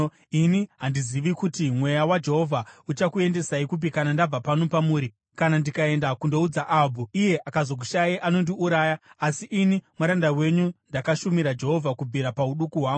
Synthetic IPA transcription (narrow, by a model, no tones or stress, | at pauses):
iniɦandiziʋikutimwe̞jawad͡ʒe̞ɦo̞vʱaut͡ʃakue̞nde̞saikup̬ikanandab͡vapano̞pamuːɾi | kanandikae̞ndakundo̞ud͡zaʔabʱuije̞ʔakazok̬uʃajiʔano̞ndiuɾaːjaasiʔinimwaɾandawe̞ɲundakaʃumiɾad͡ʒe̞ɦo̞vʱakubʱiɾapauɗukuɦwaːŋɡu